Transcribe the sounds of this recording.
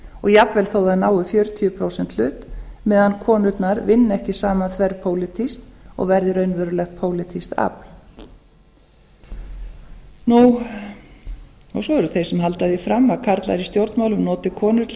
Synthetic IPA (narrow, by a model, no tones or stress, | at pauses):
ɔɣjapvɛlθoːwðaðnaːwʏfjœːɾʏt̪ʰjʏpʰɾaːwsɛnt̪lʏːt̪mɛːðankʰɔːnʏt̪naɾvɪnːɛhcɪsaːmaθvɛɾpʰoːwlɪt̪ʰist̪ɔ̰ɣvɛɾðɪɾœːɥnvœɾʏlɛxt̪̚pʰoːwlɪt̪ʰist̪a̰pl̥ | nu | ɔɣsɔɛɾʏθejsɛmɦalt̪aðɪfɾamːakʰaɾt̪la̰ɾist̪jowɾt̪nmaːwlʏmnɔːt̪ɪkʰɔːnʏt̪l